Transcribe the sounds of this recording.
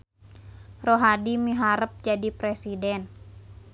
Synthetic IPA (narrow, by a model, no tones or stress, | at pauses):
roɦadimiɦaɾəp̚d͡ʒadipɾesidɛn